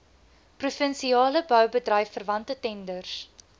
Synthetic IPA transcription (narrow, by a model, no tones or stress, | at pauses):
prufənsiɑːləbœwbədrɛjfːərvɐntətɛndərs